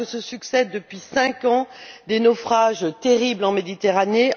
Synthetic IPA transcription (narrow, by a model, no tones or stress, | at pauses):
əsəsyksɛd̪ːəpɥisɛ̃kɑ̃d̪enɔfχaʒt̪eʁiblɑ̃med̪it̪eʁane